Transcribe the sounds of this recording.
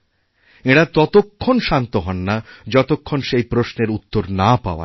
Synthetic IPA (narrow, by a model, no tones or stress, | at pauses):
eɽat̪ɔt̪okʰːonʃant̪oɦɔnːad͡ʑɔt̪okʰːonʃejpɾosneɾut̪ːoɾnapa̰oa̰